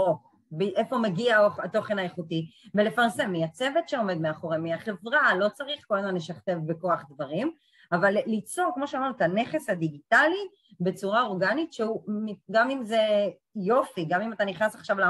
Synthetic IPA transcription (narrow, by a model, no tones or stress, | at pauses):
o | biʔefomeɡiaoato̞χenajeχutivelefaʁse̞mːiat͡se̞vetʃeo̞me̞d̪meaχo̞ʁemiaχe̞vʁalo̞t͡saʁiχkolamanleʃaχt̪e̞vbeko̞aχd̪vaʁim | avalːit͡soʁkmoʃeamaʁnuet̪ane̞χe̞shad̪iɡitali | be̞t͡suʁao̞ʁɡanitʃeumiɡamimze̞ | jo̞fiɡamimat̪aniχnasaχʃavla